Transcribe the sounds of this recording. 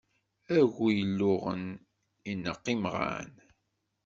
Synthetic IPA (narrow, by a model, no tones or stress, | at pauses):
æʝujəlːʊʁə̰n | inːəqːimʁa̰n